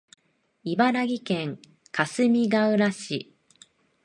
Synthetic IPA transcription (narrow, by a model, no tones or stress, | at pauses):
ibaɾaɡʲikẽ̞ŋ | kʰasɨmʲiɡaɯɾaɕi